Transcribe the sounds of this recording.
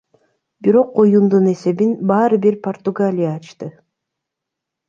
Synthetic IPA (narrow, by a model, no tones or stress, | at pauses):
biɾo̞q̚ːo̞jund̪une̞se̞βinbɑːɾɯbiɾpʰort̪uɡalʲɪjaːt͡ʃt̪ɯ